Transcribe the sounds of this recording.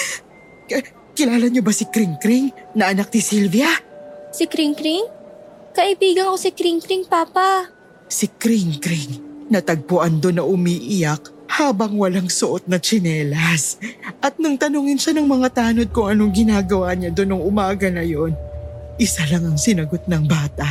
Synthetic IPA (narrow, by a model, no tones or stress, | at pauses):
kɪlaːlɐɲobɐsɪkɾiŋkɾiŋnɐʔɐnak̚nɪsilvijɐsɪkɾiŋkɾiŋkɐʔɪbiːɡɐnkosɪkɾiŋkɾiŋpaːpɐ | sɪkɾiŋkɾiŋnɐt̪ɐɡ̚pʊʔand̪onːɐʔʊmiːʔɪjak̚ | haːbɐŋwɐlaŋsʊʔot̪̚nɐt͡ʃɪnɛːlɐsʔɐt̪̚nʊŋt̪ɐnuŋɪnʃanɐŋmɐŋat̪aːno̞d̪̚kʊŋɐnoŋɡɪnaːɡɐwaɲad̪onoŋʊmaːɡɐnɐjo̞nʔɪsalɐŋɐŋsɪnɐɡo̞t̪̚nɐŋbaːt̪ɐʔ